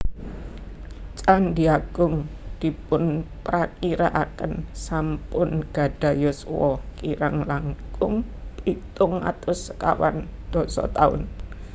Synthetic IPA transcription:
t͡ʃʼandiaɡ̥ʊŋd̪̥i̤pʊnpɾakiɾaʔakənsampʊnɡ̥a̤ɖ̥a̤jɔswɔkiɾaŋlaŋkʊŋpit̪ʊŋa̰t̪ʊsə̥ka̰wa̰nd̪̥ɔ̤sɔ̰t̪aʊ̰n

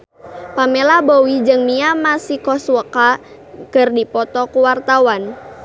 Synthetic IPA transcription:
pamelabowid͡ʒɨŋmiamasikɔswəka | kərdipɔt̪ɔkuwart̪awan

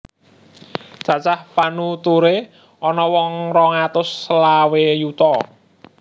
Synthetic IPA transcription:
t͡ʃa̤t͡ʃahpanut̪uɾe | ʔɔnɔwɔŋɾɔŋat̪ʊsːəlawejut̪ɔ

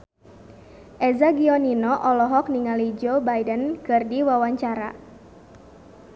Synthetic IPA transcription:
ʔɛzaɡiɔninɔʔɔlɔɦɔk̚niŋalid͡ʒobajdənkɨrdiwawaɲt͡ʃaɾa̰

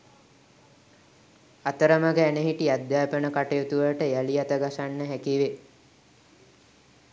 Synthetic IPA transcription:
at̪əɾəməɡəæneɦiʈiad̪jaːpənəkaʈejot̪uʋəʈəjaliat̪əɡasanːəɦækiʋe

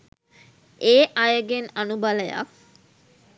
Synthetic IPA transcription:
eːʔajəɡenanubaləja̰k

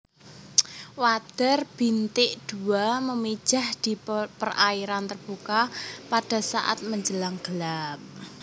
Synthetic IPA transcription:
wad̪̥ərb̥int̪ɪʔd̪̥uaməmi̥ʒ̥a̤hd̪̥i̤pəraiɾant̪ərb̥ukapaɖ̥a̤sa̰ʔa̰t̪̚məɲd͡ʒəlaŋɡ̥əlap̚

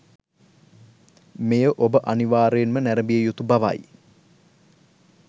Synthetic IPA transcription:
mejəʔobəʔaniʋaːɾejenmənæɾəbijejut̪ubaʋa̰j

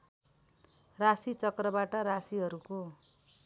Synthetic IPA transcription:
rasit͡sʌkrʌbaʈʌɾasiɦʌɾuko

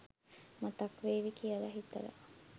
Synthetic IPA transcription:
mat̪akʋeːʋikiəlaɦit̪ə̰ɾə̰

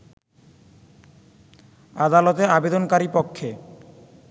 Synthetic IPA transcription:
ad̪alɔt̪eabed̪onkaɾipokʰːe

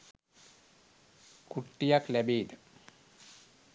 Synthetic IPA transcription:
kuʈːijaklæbeːnə

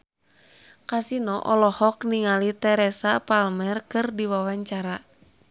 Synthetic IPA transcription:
kasinɔʔɔlɔhɔkniŋalit̪ɛɾɛsapalmɛrkɨrdiwawaɲt͡ʃaɾa

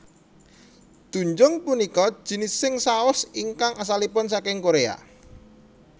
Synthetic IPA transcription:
d̪̥ṳɲd͡ʒʊŋpunikɔd̥ʒ̥i̤nɪsːɪŋsaʊsiŋkaŋas̬alipʊnsakɪŋkoɾea̰

